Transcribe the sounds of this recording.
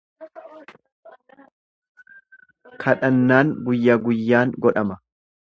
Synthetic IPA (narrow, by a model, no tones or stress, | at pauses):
kʰɐᶑɐnːaːŋɡʊjːɐɡʊjːaːŋɡɔᶑɐmɐ